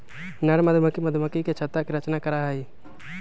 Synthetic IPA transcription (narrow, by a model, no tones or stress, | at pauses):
nɐɽmɐd̪ʱməkimɐd̪ʱməkiket͡ʃʰɐt̪ːakiɾɐt͡ʃnakɐɾaɦiː